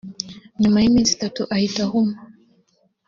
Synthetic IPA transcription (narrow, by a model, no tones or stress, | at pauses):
nimaimizitatuʔaitahum